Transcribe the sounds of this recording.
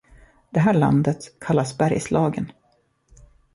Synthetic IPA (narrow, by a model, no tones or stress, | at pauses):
d̪̥ɛɦæːɭa̰nd̪ət̪kʰalːasbæɾjslɑːɡə̰n